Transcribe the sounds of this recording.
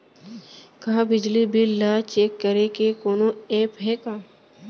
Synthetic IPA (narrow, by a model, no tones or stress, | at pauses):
kaãbɪd͡ʒlibɪlːaːt͡ʃeːkːəɾekekoːnoẽːpɦɛːkaː